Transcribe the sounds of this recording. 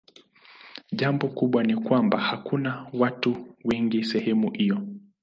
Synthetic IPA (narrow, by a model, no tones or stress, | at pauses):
ʄambɔkuɓwanikwambahakunawatuwɛŋɡisɛhɛmuhijɔ